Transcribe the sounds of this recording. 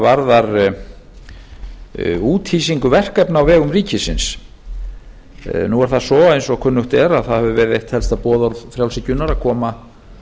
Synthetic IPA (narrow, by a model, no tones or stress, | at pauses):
vaɾðaɾ | uːt̪hiːsiŋkʏvɛr̥kɛpnawvɛːɣʏmriːcɪsɪns | nuaɾ̥θaðsɔːejnsɔkʰʏnːʏht̪ɛːɾaðθaðhɛvʏvɛɾðejht̪hɛlst̪apɔːðɔɾðfɾjaw̪sɪcʏnaɾakʰɔːma